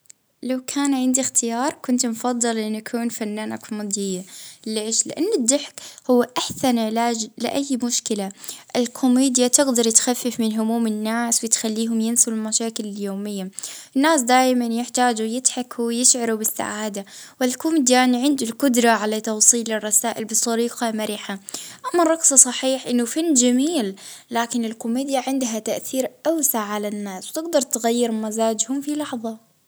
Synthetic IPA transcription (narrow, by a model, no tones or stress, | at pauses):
lawkʰaːnʕɪnd̪ixt̪ʰɪjɑːɾˤkʊnt̪mfɑðˤːɨlʔɪnːakʰuːnfanːaːnʔakʰʊmeːd̪ɪjːaleːʃlɪʔanːɪd̪ːɪħkhʊwːaʔaħsanɪʕɪlaːd͡ʒlɪ̰ʔajːmʊʃkɪlaʔɪlkʰʊmiːd̪jat̪ɪɡd̪ɑɾˤt̪xafːɪfmɪnɦʊmuːmɪnːaːswɪt̪xalːiːɦʊmjɪnsɪlulmaʃaːkɪlɪljoːmɪjːaʔɪnːaːs̬d̪aːjmanjɪħt̪aːd͡ʒujɪd̪ħakʰwjɪʃʕɑɾubɪsːa̰ʕaːd̪awɪlkʊmid̪jaːniʕɪnd̪ʊlkʊd̪ɾˤɑʕalat̪ɑwsˤiːlɪrˤːɑsaːʔɪlbɨt̪ˤːɑɾiːqɑmaɾiːħaʔamːɑrˤɑqsˤɑsˤɑħiːħʔɪnːʊfanːd͡ʒamiːlːaːkɪnɪlkʊmiːd̪jaʕɪnd̪ɦat̪aʔθiːɾʔawsaʕʕalanːaːswt̪ɪɡd̪ɑɾˤt̪ɪɣajːɪɾmazaːd͡ʒhʊmfilɑħðˤɑ